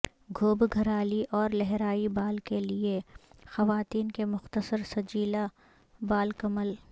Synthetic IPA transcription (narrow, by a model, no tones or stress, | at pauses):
ɡʱoːbɡʱɐɾaːliʔɔːɾlɛɦɾaːibaːlkeliexɐʋaːt̪iːnkemʊxt̪əsəɾsɐd͡ʒiːla | baːlkɐməl